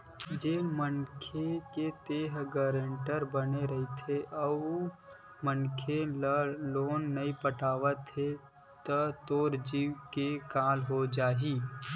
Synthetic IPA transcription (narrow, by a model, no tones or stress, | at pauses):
d͡ʒemənkʰeket̪eːɦɡəɾẽɳʈəɾbəneɾɐɦit̪ʰeʔɔːu | mənkʰeloːnːəĩpəʈaːʋət̪ːe | t̪t̪oːɾd͡ʒiwkekaːlɦod͡ʒaːɦiː